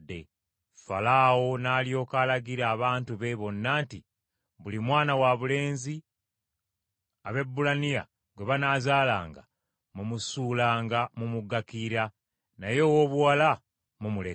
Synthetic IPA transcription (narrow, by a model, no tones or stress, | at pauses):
dːḛ | fa̰laːwo̞naːlio̞ːkalaɡiɾaːβaːntuβe̞βo̞nːaːnti | βulimwaːnawaβule̞ːnzi | aβe̞bːulanija̰ | ɡwe̞βanaːzaːla̰ːŋɡa̰ | mumusuːlaːŋɡamumuɡːakiɾa | najo̞woːβuwala | mumule